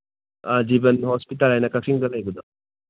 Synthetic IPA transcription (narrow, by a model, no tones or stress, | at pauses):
ad͡ʒibɐnhɔspitalajnɐkɐksiŋdɐɡajɡud̪ɔ